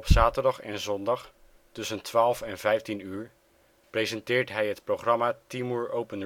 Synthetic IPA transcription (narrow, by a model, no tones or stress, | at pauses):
ɔpsaːtəɹdɑχɛ̰nzɔndɑχ | tɵsəntʰʋaːlˠfɛnvɛjftinyːɹ | prejzɛntɪːɹtɦɛjɦətprowχrɑmaːtimuːɹowpən